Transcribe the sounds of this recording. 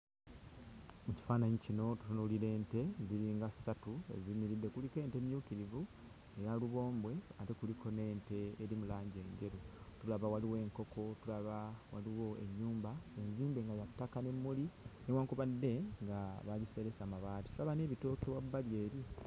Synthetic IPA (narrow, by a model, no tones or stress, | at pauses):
muci̥faːnaɲicino̞tu̥tunuliɾe̞ːnte̞ziɾiːŋɡasatue̞̰zimiɾidːe̞kulike̞ːnte̞ːmijuːkiɾivu | ejaluβo̞ːmbwe̞atekulikʰo̞ne̞ːnte̞ːɾimulaːɲɟe̞ːɲɟe̞ɾutulaβawaliwe̞ːŋko̞kʰo̞tulaβawaliwo̞e̞̰ɲːuːmbae̞nziːmbe̞ŋɡajatːakane̞mːulinewaːŋkuβadːe̞ŋɡaβaɟise̞ɾe̞samaβaːti̥tulaβane̞ːβito̞keβwabːaljeːɾi